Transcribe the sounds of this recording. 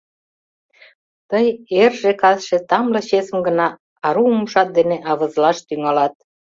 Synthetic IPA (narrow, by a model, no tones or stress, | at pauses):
t̪əjerʒĕkɑðʃĕt̪ɑmlɤ̆ɕesəmɡə̆nɑ | ɑɾuumuʃɑt̪̚d̪eneʔɑβə̆zlɑʃt̪yŋɑlɑt̪̚